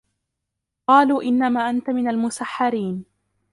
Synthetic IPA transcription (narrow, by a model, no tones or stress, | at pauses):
qɑːluːʔɪnːamaːʔant̪amɪnalmʊsaħːɑɾiːn